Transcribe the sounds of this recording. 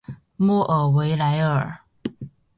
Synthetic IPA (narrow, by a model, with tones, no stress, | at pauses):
mɔ˥˩ʔə˨˩we˧˦ɪla˧˦ɪə˨˩